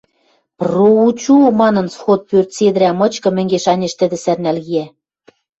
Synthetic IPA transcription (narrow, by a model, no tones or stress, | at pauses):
prout͡ɕumɑnɤ̆nsxot̪̚pørt̪sed̪ɘ̆ɾæmɤ̆t͡ɕkɤ̆mɘ̆ŋɡeʃɑnʲeʃt̪ɘ̆d̪ɘ̆særnælɣiæ